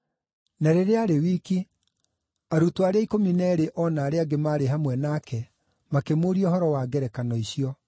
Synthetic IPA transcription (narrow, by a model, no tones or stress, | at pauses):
naɾeɾeaɾewiːki | aɾutwaɾeaikominɛɾeʔɔnaːɾeaɡemaːɾeɦamwɛnaːkɛ | makemoɾiɔhɔɾɔwaːɡɛɾɛkanɔiɕiɔ